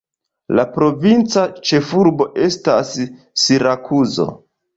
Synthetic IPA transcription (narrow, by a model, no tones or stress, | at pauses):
lapɾo̞vint͡sat͡ʃe̞fuɾbo̞ʔe̞stasː | iɾakʰuzo̞̰